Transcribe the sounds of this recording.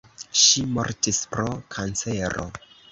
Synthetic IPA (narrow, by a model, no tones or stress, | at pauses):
ʃimo̰ɾtispɾo̞kʰant͡seɾo̞̰